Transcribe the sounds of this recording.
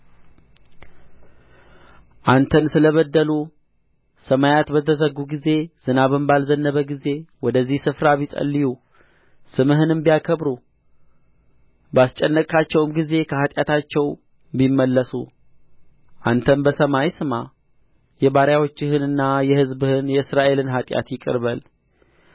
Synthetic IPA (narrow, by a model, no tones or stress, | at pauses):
ʔant̪ʰənsɨləβəd̪ːəlu | səmajat̪bət̪ʰəzəɡuɡize̞z̥ɨnaβɨmbalzənːəβəɡize̞wɔd̪əzːihsɨfɾaβisʼə̰lːiju | sɨmɨɦɨnɨmbijakʰəbɾu | bast͡ʃʼɛnːəkʼat͡ʃːɛwɨmɡize̞kʰəhat̪ʼjat̪ʰat͡ʃːɛw | bimːəlːəsṵ | ʔant̪ʰənbəsəmajsɨma | jɛbaɾjawot͡ʃːɪhɨnɨnːajɛhɨzbɨhɨnjɛɨsɾaʔe̞lɨnɦat̪ʼja̰t̪jɪkʼɨ̰ɾbəl